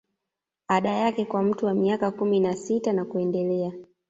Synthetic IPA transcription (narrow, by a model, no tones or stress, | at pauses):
aɗajakɛkwam̩tuwamiakakuminasitanakuɛndɛlɛa